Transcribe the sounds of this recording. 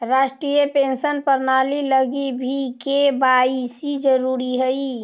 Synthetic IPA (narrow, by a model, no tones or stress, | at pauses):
ɾaːsʈɾijepẽnsənpəɾnaːliləɡibʱikebaisid͡ʒəɾuɾiɦɛi